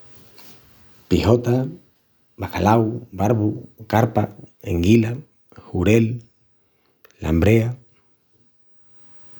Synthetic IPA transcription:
pihot̪a | bakalawbaɾβukaɾpaeŋɡila | huɾel | a̰mbɾea

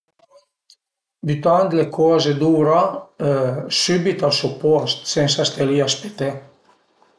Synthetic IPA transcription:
byt̪ant̪lekʰɔːzed̪uːɾa | sybit̪alsupɔst̪sensast̪eliaspet̪e

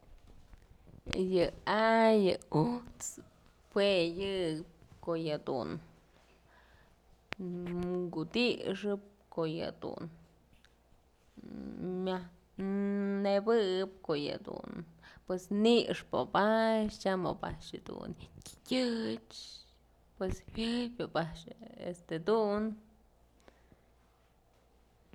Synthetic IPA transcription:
jɨajɨut͡s | pwejɨɨp̚kojɨd̪ṵn | ŋɡud̪iʂɨp̚kojɨ̰d̪ṵn | mʲa | nebɨɨp̚kojɨ̰d̪ṵnpwesniʂpo̰baʃt͡ʃamo̰ba̰ʃɨd̪ṵnkʲkʲɨt͡ʃ | pweshʲɨpʲobaʃḛst̪ed̪un

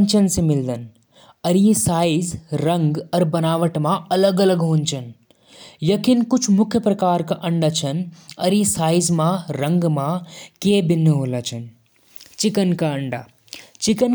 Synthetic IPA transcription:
ɲt͡ʃɐnsimɪld̪ɐn | ɐɾisaːjzɾɐŋɡɐɾbɐnaːʋɐʈmãɐləɡɐləɡɦoːnt͡ʃʰɐn | jɐkinkut͡ʃʰumʊkʰjɐpɾɐkaːɾkaʔɐɳɖat͡ʃʰɐnɐɾisaːjzmãɾɐŋɡmãkeːbinːɦoːlaːt͡ʃʰɐn | t͡ʃikɐnkaɐɳɖa̰ː | t͡ʃikɐn

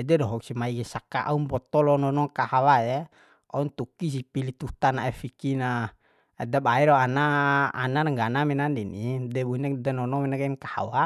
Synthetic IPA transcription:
ɛdɛdɔɦɔksimaiɡɛsaka̰ʔa̰umbɔt̪ɔlɔnɔnɔŋkahawaɛ | aunt̪ukis̬ipilit̪ut̪anaɛfikina | ɛdabaiɾɔana̰ːnaɾŋɡanamɛnandinidɛbunadanɔnɔmɛnakɛnkaha̰wa

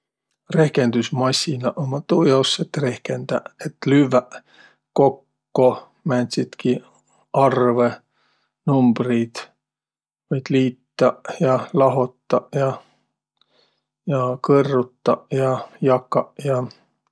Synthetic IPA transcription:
re̞hke̞nd̪̥usmɑsʲinɑʔomɑt̪uːjɑwsːet̪ːre̞hkend̪̥ɑ̰et̪ːˑlyvæ | ko̞kː | o | mænʲsit̪ki | ɑrve | numb̥rid̪̥ | vɯjd̪̥liːt̪ːɑjɑlɑɦo̞t̪ːɑjɑ | jɑkɤrːut̪ːɑjɑjɑkːˑɑjɑ

